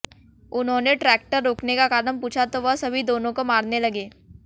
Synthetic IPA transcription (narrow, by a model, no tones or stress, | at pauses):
ʊnɦõːneʈɾɛːk̚ʈəɾːoːknekakaːɾənpuːt͡ʃʰat̪oʋɐɦsɐbʱid̪oːnõkomaːɾnelɐɡeː